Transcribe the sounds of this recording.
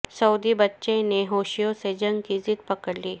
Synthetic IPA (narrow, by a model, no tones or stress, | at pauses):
səwd̪ibətːɕẽneɦoɕijosed͡ʑəŋkid͡ziːt̪̚pəkəɽliː